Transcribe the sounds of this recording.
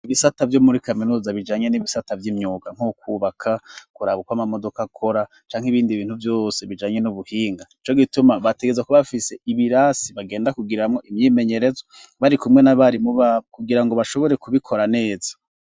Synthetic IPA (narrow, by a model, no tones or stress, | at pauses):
iβisatavjomuɾikaminuːzaβid͡ʒaːɲe̞niβisatavjimɲuːɡaŋ̥ukuβakʰakuɾaβukwamamo̞do̞kakʰo̞ɾa | t͡ʃaːŋhiβiːndiβiːn̥huvjo̞ːse̞βid͡ʒaːɲe̞nuβuhiːŋɡait͡ʃo̞ɡitumaβate̞ɡezakuβafise̞iβiɾasiβaɡe̞ːndakuɡiɾamŋo̞imɲiːme̞ɲe̞ɾe̞zo | βaɾikumŋe̞naβaɾimuβaβkuɡiɾaŋɡo̞βaʃo̞βo̞ɾe̞kuβikʰo̞ɾane̞ːza